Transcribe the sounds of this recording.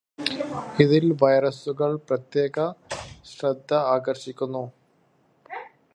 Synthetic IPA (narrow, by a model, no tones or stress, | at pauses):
iðilʋɐjɾɐsuɣɐɭprɐt̪jeːɣɐɕrɐd̪ʱːɐaːɡɐrɕikʲːunːu